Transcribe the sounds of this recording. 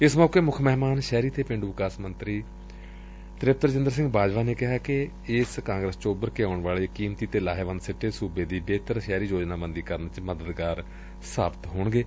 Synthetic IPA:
ɪsmɔːkeːmʊkʰmɛɦmaːnʃɛːɾiːt̪ʰeːpɪ̃ɳɖuːʋɪkaːsmənt̪ɾiː | t̪ɾɪp̚t̪əɾd͡ʒɪ̃nd̪əɾs̬ɪ̃ŋɡbaːd͡ʒʋaːneːkɪɦaːkɪ | ɪskãːŋɡɾəst͡ʃobəɾkeaʊɳʋaːleːkiːmt̪iːt̪eːlaːɦeːʋə̃nd̪sɪʈːeːsuːbeːd̪iːbeːt̪əɾʃɛːɾiːd͡ʒoːd͡ʒnaːbənd̪iːkəɾənt͡ʃməd̪əd̪ɡaːɾ | saːbət̪ɦoːɳɡeː

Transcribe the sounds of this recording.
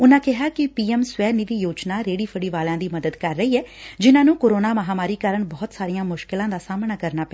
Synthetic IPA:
ʊnãːkɪɦaːkɪpiːɛːmsʋɛːnɪʋiːjoːt͡ʃnaːɾeːɽiːpʰəɽiːʋaːlãːd̪iːməd̪əd̪kəɾːəiːɛːd͡ʒɪnãːnũːkoːɾoːnaːməɦaːmaːɾiːkaːɾəɳbɔːt̪saːɾijãːmʊʃkɪlãːd̪aːsaːmnaːkəɾnaːpɛː

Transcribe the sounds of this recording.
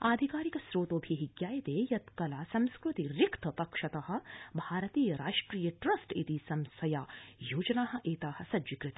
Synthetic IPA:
aːd̪ʱikaːɾikɐsɾoːt̪oːbʱiɦiɡjaːjɐt̪eːjɐt̪kɐlaːsɐ̃mskɾut̪iɾikt̪ʰɐpɐkʂɐt̪ɐhɐ̆bʱaːɾɐt̪iːjɐɾaːʂʈɾiːjɐʈɾɐsʈit̪isɐmsɐjaːjoːd͡ʒɐnaːɦɐ̆ʔeːt̪aːhɐ̆sɐd͡ʒʋikɾɪt̪ɐ

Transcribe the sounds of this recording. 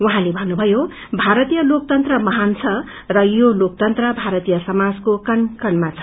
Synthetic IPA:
wuɦãlebʱʌnːubʱʌjo | bʱaɾʌt̪ijʌlok̚t̪ʌnt̪rʌmʌɦant͡sʰʌ | rʌjolok̚t̪ʌnt̪rʌbʱaɾʌt̪ijʌsʌmad͡zkokʌnkʌnmat͡sʰʌ̥

